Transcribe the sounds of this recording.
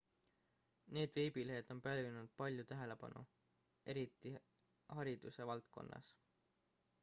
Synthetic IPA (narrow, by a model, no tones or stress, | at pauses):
ne̞ːd̪veːbileɦed̪̥o̞mpælvinud̪̥̚pɑlʲjut̪æɦe̞le̞pɑ̰nṵ | ʔe̞ɾit̪ːˑi | hɑɾid̪̥use̞vɑlt̪̚ko̞̰nːɑ̰s